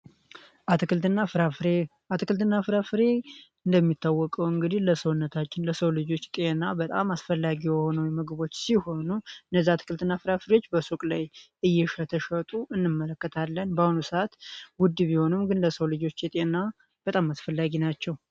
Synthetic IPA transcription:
akɨnaɾ | at̪ʰɨkɨlt̪ɨnːafɾafɨɾe̞ɨnd̪əmːit̪ːawːɔkʼəwɨŋɡɨd̪ihləsəwɨnːət̪ʰat͡ʃːɪnləsəwlɨd͡ʒo̞t͡ʃːt̪ʼenːabət̪ʼa̰masfəlːaɡijɛho̞nəwmɨɡɨβo̞t͡ʃːsiho̞nuɨndəzːaat̪ʰɨ̥kʰɨlt̪ɨnːafɨɾafɨɾeo̞t͡ʃːbəsokʼlaj | ɨjːɛʃət̪ʰəʃət̪ʼuʔɨnːɨmːələkːət̪ʰalːənbəhunusəat̪wʊd̪ːɨβiho̞nɨmɡɨnləsəwlɨd͡ʒo̞t͡ʃːjɛt̪ʼenːa | b̥ət̪ʼamasfəlːaɡinat͡ʃːɛw

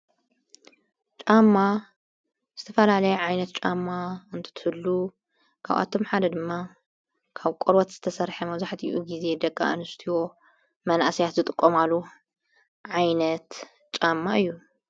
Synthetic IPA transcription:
t͡ʃʼamːa | z̥ɨt̪ʰɐfɐlalɐjɛʕajnɐt̪̚t͡ʃʼamːaɨnt̪ʰɨ̥t̪ʰɨhɨlːu | kʰa̰βʔa̰t̪ʰo̞mħad̪ɐd̪ɨmːa | kʰaβkʷʼoɾwɐt̪z̥ɨt̪ʰɐsɐɾħɐmɐβzaħt̪ʰḭʔuɡize̞d̪ɐkʼːa̰ʔɨnɨst̪ʰiwo̞ | mɐna̰ʔsijat̪zɨt̪ʼɨkʼːomalːu | ʕajnɐt̪ | t͡ʃʼamːaɨjːu

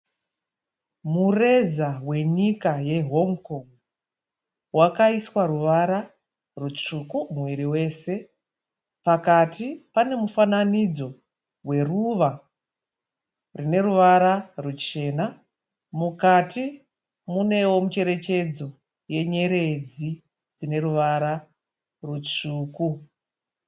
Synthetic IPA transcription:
mure̞zawe̞ɲikaje̞ɦo̞ŋko̞ŋ | wakaiswaɾuʋaɾa | rut͡ʂukumwiɾiwe̞ːse̞ | pakatipane̞mufananid͡zo̞ | we̞ruʋa | rine̞ɾuʋaɾarut͡ʃe̞ːna | mukati | mune̞wo̞mut͡ʃe̞ɾe̞t͡ʃe̞d͡zo̞ | je̞ɲe̞ɾe̞d͡zi | d͡zine̞ɾuʋaɾa | rut͡ʂuːku

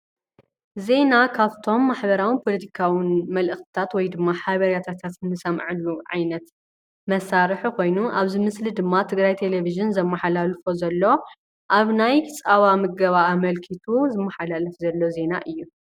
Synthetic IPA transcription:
ze̞nakʰaβt̪ʰo̞mːaħbɐɾawinpʰo̞lɐt̪ʰi̥kʰawinmɐlʔɨxt̪ɨ̥t̪ʰat̪wɔjd̪ɨmːaħaβɐɾjat̪ʰat̪ʰat̪nɨsɐmʕɨlːuʕa̰jnɐt̪ | mɐsaɾɨħiko̞jnuʔaβzɨmɨslid̪ɨmːat̪ʰɨɡɾajt̪ʰe̞leviʒɨnzɐmːɐħalalfozɐlːo̞ | ʔaβnajt͡sʼaβamɨɡɐβaːmɐlkʰit̪ʰuzɨmːɐħalalɐfzɐlːo̞ze̞naʔɨjːu

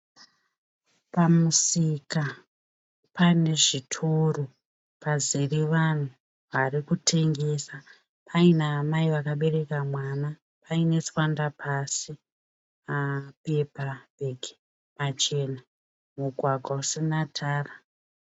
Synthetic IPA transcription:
pamusika | pane̞ʐitʰuro | paziriʋan̤u | ʋarikutʰe̞ŋɡe̞sa | pʰainaːmaiʋakaɓe̞re̞kamwaːna | paine̞t͡swandapʰasi | apepabʱeɡi | mat͡ʃe̞na | muɡʱwaɡʱwausinatʰaːra

